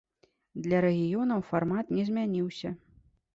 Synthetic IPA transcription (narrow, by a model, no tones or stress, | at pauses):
d̪lʲɐɾɛɣʲijɔn̪ɐwfarmat̪nʲɛzʲmʲanʲiwsʲɐ